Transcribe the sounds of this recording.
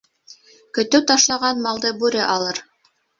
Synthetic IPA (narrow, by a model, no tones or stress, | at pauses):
kɵ̆t̪ɵwt̪ɑʃlˠɑʁɑnmɑlˠd̪ɤbʉɾɘʔɑlˠɤɾ